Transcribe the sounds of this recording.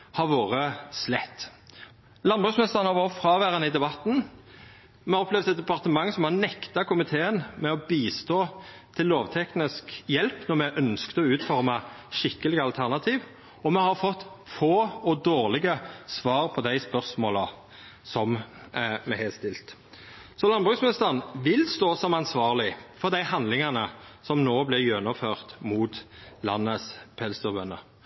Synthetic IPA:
hɑɾʋoːʁəslɛt̪ː | lɑnbʁʉsmɛst̪əʁənhɑɾʋɑːʁət̪fɾɑːʋæʁənəɪd̪ɛbɑt̪ːn̩ | mɛhɑɾɔplɛʋd̪ɛt̪̚d̪ɛpɑʁt̪əmɑŋːsɔmhɑnɛkt̪ɑkʰʊmɪt̪ʰeːənmɛɔbiːst̪oː | t̪ʰɪlːoːʋt̪ʰɛknɪskjɛlpnɔɾmɛʔœnskt̪əɔʉːt̪fɔʁmɑʃɪkːəlɪɡəɑlt̪ʰæʁnɑt̪ʰiːʋ | ɔmɛhɑɾfɔt̪ːfoːɔd̪oːʁlɪɡəsʋɑːʁpʰɔd̪æɪspœʁsmoːlɑ | sɔm | mɛhɛst̪ɪlt̪ | sɔlɑnbʁʉksmnɪst̪əʁnʋɪlst̪oːsɔmɑnsʋɑːʁlɪfɔʁd̪æɪhɑnd̪lɪŋɑnəsɔmnoːblɪʁjœnːɔføːʁt̪muːt̪lɑ̰nːəspʰɛlsɔbœnːə

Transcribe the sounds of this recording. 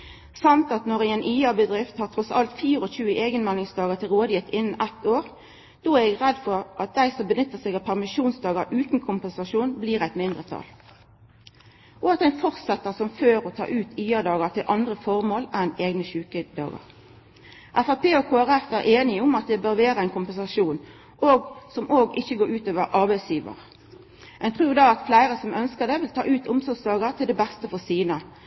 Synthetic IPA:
sɑmt̪ɑt̪nɔʁɪɛnʔiːɑbəd̪ʁɪft̪hɑːʁt̪ʰʁɔsɑlt̪fiːʁəɔçʉːʔeːɡənmɛlɪŋsd̪ɑːɡət̪ʰɪlʁoːd̪jɪt̪ʰɪnːənʔɛt̪ːoːʁ | d̪̥oːæʁɛɡʁɛd̪fɔʁʔɑt̪̚d̪æɪsɔmbənʏt̪ːəʁsɛɡɑpʰæʁmɪʃuːnsd̪ɑːɡəʁʉːt̪n̩kʰʊmpəɛnsɑʃuːnbliːʁæɪt̪mɪnd̪ʁət̪ʰɑ̰l | ʔɔɑt̪̚æɪnfɔʁsɛt̪ːəʁsɔmføːɾɔt̪ʰɑ̰ːʔʉːt̪yːəd̪ɑːɡəʁt̪ʰɪlʔɑnd̪ʁəfɔʁmoːlɛneːɡnəʃʉːkəd̪ɑ̰ːɡə̰ʁ | ʔæfæpʰeːɔkʰoːæʁɛfæːɾʔeːnɪʊmɑt̪̚d̪ɛbøːɾʋeːʁəæɪnkʰʊmpɛnsɑʃuːn | ʔoːɡsɔmʔoːɡɪçːəɡoːɾʉːt̪øːʋəɾʔɑʁbæɪsjiːʋə̰ʁ | ɛnt̪ʰʁʉːd̪ɑːɑt̪flæɪʁəsɔmʔœnskəd̪ɛʋɪlt̪ʰɑ̰ːʔʉːt̪ʰʊmsɔɡsd̪ɑːɡəʁt̪ʰɪld̪ɛbæst̪əfɔsiːnə

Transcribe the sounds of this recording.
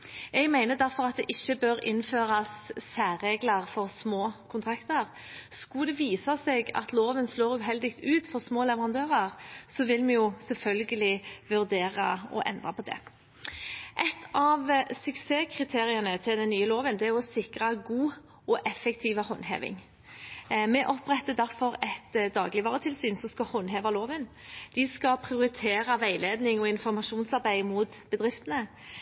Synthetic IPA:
ɛɡmæɪnəd̪æɾfɔʁɑt̪̚d̪ɛʔɪçːəbøːɾɪnføːɾɑsːæːɾeːɡlɑʁfɔʁsmoːkʰʊnt̪ʰɾɑkt̪əʁ | skʊd̪ɛʋiːsɑsɛɡɑ̰t̪loːʋənsloːʁʉɦɛld̪ɪkt̪ʉːt̪fɔʁsmoːlɛʋəʁɑnd̪øːʁɑʁsɔʋɪlmɛjʊsɛlfœlɡəlɪʋʉʁd̪eːʁɑɔ̰ʔɛ̰nd̪ʁɑpʰɔd̪ɛ̰ | ʔɛt̪ʰːɑʋsʉkseːkʰʁɪt̪ʰeːʁɪɑnət̪ʰɪld̪ɛnːyːəloːʋənd̪ɛæʁɔsɪkʁɑɡuː | ɔʔɛfɛkt̪ʰiːʋəhɔnɦḛːʋɪ̰ŋ | mɛʔɔpʁɛt̪ːəd̪æʁfɔʁɛt̪d̪ɑ̰ːɡlɪʋɑːʁət̪ʰɪlsyːnsɔmskɑhɔnɦeːʋɑloːʋənd̪̥ɪskɑpʰʁɪʊɾɪt̪ʰeːɾɑʋæɪleːd̪nɪŋɔɪnfɔɾmɑʃuːnsɑʁbæɪmʊt̪b̥əd̪ʁɪft̪ənə

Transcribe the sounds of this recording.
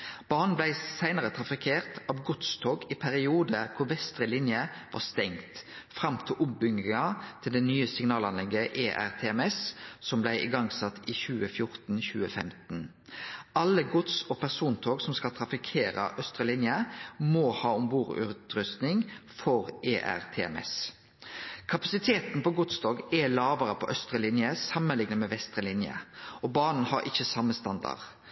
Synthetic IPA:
b̥ɑːʁn̩blæɪsæɪnəʁət̪ʰʁɑfɪkʰeːʁt̪ɑːʋɡʊt̪st̪ʰoːɡɪpʰæʁɪuːd̪əkʰʊɾʋɛst̪ʁəlɪnjəʋɑ̰ːst̪ɛŋt̪fʁɑmt̪ʰɪlʔʊpbʏŋɪŋɑt̪ʰɪld̪ɛnyːəsɪŋnɑːlɑnlɛɡəʔeːʔæ̰ʁt̪ʰeːɛmɛssɔmblæɪʔɪ̰ɡɑŋsɑt̪ʰːiçʉːəfjʊɾt̪n̩çʉːəfɛ̰mt̪n̩ | ɑlːəɡʊt̪sɔpʰæʁsuːnt̪ʰoːɡsɔmskɑlt̪ʰɾɑfɪkʰeːɾə̰ʔœst̪ʁəlɪnjəmohɑːɔmʋuːɾʉ̰t̪ɾʏst̪nɪŋfɔɾeːʔæ̰ʁt̪ʰeːɛ̰mɛ̰s | kʰɑpɑsɪt̪ʰeːt̪npɔɡʊt̪st̪oːɡɛlɑːʋəɾəpʰɔʔœst̪ʁəlɪnjəsɑmːənlɪŋnəmɛʋɛst̪ʁəlɪnjə̰ɔbɑːnn̩hɑɾɪçəsɑmːəst̪ɑnd̪ɑ̰ʁ

